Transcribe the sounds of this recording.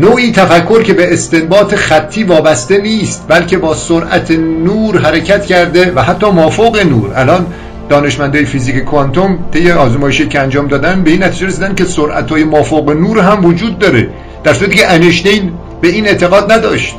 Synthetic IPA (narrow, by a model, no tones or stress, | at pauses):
noːʔiːt̪ʰæfækʰːo̞ɾcʰe̞beːst̪e̞mbɒːt̪ʰe̞xæt̪ʰːiːvɒːbæst̪e̞niːst̪̚bælkʰe̞bɒːsoɾʔæ̰t̪ʰenuːɾɦæɾecʰæt̪cʰæɾd̪e̞væhæt̪ʰːɒːmɒːfoɣenṵːɾælɒːn | d̪ɒːne̞ʃmænd̪ɒːjefiːziːkʰekʰoænt̪ʰomt̪ʰejːeɒːzmɒːjeʃijicʰeænd͡ʒɒːmd̪ɒːd̪æn̚be̞inːæt̪ʰiːd͡ʒeɾesiːd̪ænd̪kʲe̞soɾʔæ̰t̪ʰɒːjemɒːfoɣenuːɾɦæmvod͡ʒuːd̪ːɒːɾḛ | d̪̥æɾsuɾæt̪ikceʔæneʃd̪ejn | b̥e̞iːne̞ʔt̪ʰe̞ɣɒːd̪næd̪ɒːʃt̪̚